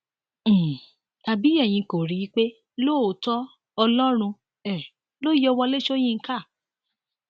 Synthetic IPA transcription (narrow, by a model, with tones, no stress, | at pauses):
ta˧bi˨˦ɛ˦˨j̃ĩ˧ko˨ɾi˧˦i˦k͡pe˦ | lo˦˨o˨˦tɔ˦ | ɔ˧lɔ˦ɾ̃ũ˧ | ɛ˨ | lo˦jɔ˧wɔ˧le˦ʃo˦j̃ĩ˦˧˦ka˦˨